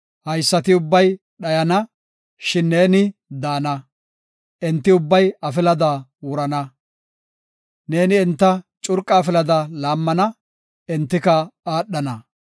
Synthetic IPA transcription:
hɐjsːɐt̪ɪʊbːɐj | ɗɐjɐnɐ | ʃɪnːe̞ːnɪd̪aːnɐ | ʔɛnt̪ːɪʊbːɐjɐfɪlɐd̪ɐwʊɾɐnɐ | ne̞ːnɪɛnt̪ːɐt͡ʃʼʊɾkʼːɐːfɪlɐd̪ɐlaːmːɐnɐ | ɛnt̪ːɪkɐaːɗːɐnɐ

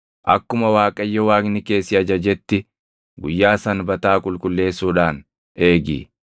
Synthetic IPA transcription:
ʔɐkːʊmɐwaːkʼɐjːɔwaːknɪke̞ːsːɪɐd͡ʒɐd͡ʒɛt̪ːɪ | ɡʊjːaːsɐnbɐt̪aːkʼʊlkʼʊlːe̞ːsuːᶑaːn | e̞ːɡḭː

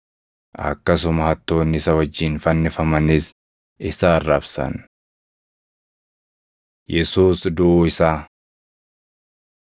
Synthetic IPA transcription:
ʔɐ̰kːɐsʊmɐhɐt̪ːo̞ːnːɪsɐwɐd͡ʒːɪnfɐnːɪfɐmɐnɪs | ɪsaːrːɐbsɐ̰n | jɛsuːsd̪ʊɪsaː

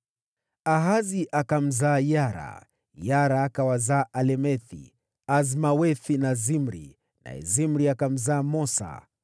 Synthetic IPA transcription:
aɦaziʔakam̩zaːjaɾa̰ | jaɾaːkawazaːʔalɛmɛθḭ | azmawɛθinazimɾḭ | nʔa̰ɛ̰zimɾiakam̩zaːmɔsa̰

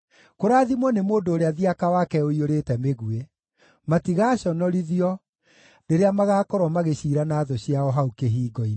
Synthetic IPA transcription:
koɾaːðimwɔnemoːndoːɾeaðiakawakɛoioɾeːtɛmeɣue | matiɣaːɕɔnɔɾiðiɔ | neɾeamaɣaːkɔɾwɔmaɣeɕiːɾanaːðoɕiaɔɦaukeɦiːɡɔi

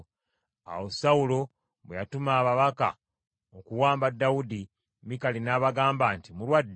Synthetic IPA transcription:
a̰wosawulo̞ | βwejatumaːβaβaka̰ | okuwaːmbadːaudi | mikalinaːβaɡaːmbaːntimulwadː

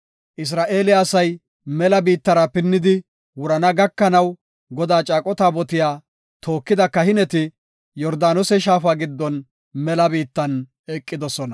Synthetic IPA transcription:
ʔɪs̬ɾaːʔe̞ːlɪaːsɐj | mɛlɐbiːt̪ːɐɾɐpɪnːɪd̪ɪ | wʊɾɐnɐɡɐkːɐnɐw | ɡɔd̪aːt͡ʃʼaːkʼɔt̪aːbɔt̪ɪjaː | t̪ʰo̞ːkːɪd̪ɐkɐhɪnɛt̪ɪ | jɔɾd̪aːnɔsɛʃ̬aːfaːɡɪd̪ːɔn | mɛlɐbiːt̪ːɐn | ɛkʼːɪd̪ɔsɔnɐ

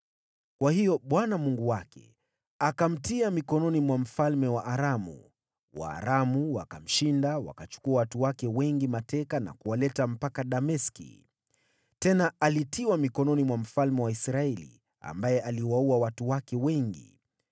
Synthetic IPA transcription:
kwahijɔɓwanamuŋɡuwakɛ̰ | akam̩tiamikɔnɔnimwam̩falmɛwaʔːɾamṵ | wa̰ːɾamuwa̰kam̩ʃindawa̰kat͡ʃu̥kuawatuwakɛwɛŋɡimatɛkana̰kuwalɛtam̩pakaɗamɛskḭ | tɛnaalitʰiwamikɔnɔnimwam̩falmɛwaisɾaɛlḭ | a̰mbajɛʔaliwauawatuwakɛwɛŋɡḭ

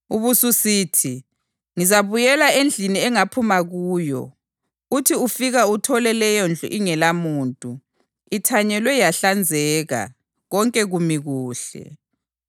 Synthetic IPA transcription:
uβususiːtʰi | ŋizaβujɛlaend͡ɮʱiniɛŋapʰumaɣuːjɔ̰ | utʰiufiɣautʰɔlɛlɛjɔnd͡ɮʱṵʔiŋɛlamuːntʼu | itʰaɲɛlwɛjaɬand͡zʱɛːɣa̰ | ɣɔŋkʼɛɣumiɣuːɬɛ̰

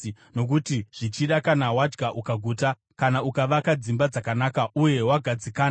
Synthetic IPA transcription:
no̞k̬utiʐ̥it͡ʃiɗakanawad͡ʒɡaʔukaɡʱuːta | kanaukaʋakad͡zimbad͡zakanaːkauje̞waɡʱad͡zikaː

